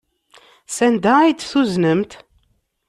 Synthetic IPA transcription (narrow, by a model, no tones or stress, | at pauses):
sænd̪ææjd̪θuznəmt̪